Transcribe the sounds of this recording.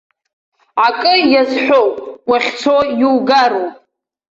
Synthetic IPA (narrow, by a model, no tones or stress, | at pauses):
akʼɨjazħʷᶣowpʼwaχʲt͡sʰojuwɡaɾowpʼ